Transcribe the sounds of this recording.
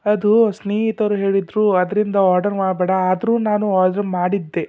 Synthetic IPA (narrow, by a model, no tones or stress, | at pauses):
ɐd̪usneːɦit̪ɐɾuɦeːɭid̪ɾuːɐd̪ɐɾind̪ɐɔːɾɖɐɾmaːɽbɛːɽɐaːd̪ɐɾuːnaːnuaːɖ̪ɐɾɾmaːɽid̪ːe̞